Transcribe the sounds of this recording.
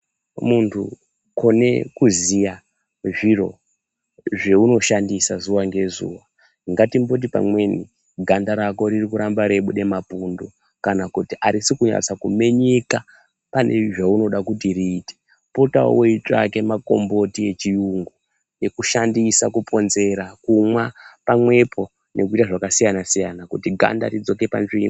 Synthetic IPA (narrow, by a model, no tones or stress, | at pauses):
muntʰu | ko̞ne̞kuzija | ʐiro̞ | ʐe̞uno̞ʃandisazuwaŋɡe̞zṵːwa | iŋɡatimbo̞t̬ipa̰mwe̞nḭ | ɡʱandaɾako̞ɾirikuɾambaɾe̞ɓuɗe̞mapundo̞ | kanakutiʔaɾisikuɲa̰t͡sakume̞ɲe̞ka | pane̞̰ʐauno̞ɗakutiriːte̥ | po̞tao̰weit͡ʂa̰ke̞mako̞̰mbo̞tije̞t͡ʃijuŋɡo | je̞kuʃandisakupʰo̞nze̞ɾakumwapamwe̞pʰo̞ | nʔe̞kuitaʐakasijanasijanakutiɡʱa̰nda̰rid͡zo̞ke̞pa̰nʐimi